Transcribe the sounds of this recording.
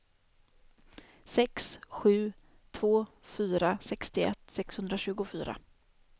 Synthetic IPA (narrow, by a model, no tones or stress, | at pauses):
sɛksɧʉ̟ː | t̪ʰvoː | fyːɾasɛkst̪ɪɛ̰t̪ːsɛkshɵnd̪ɾaɕʉ̟ːɡʊfy̰ːɾa̰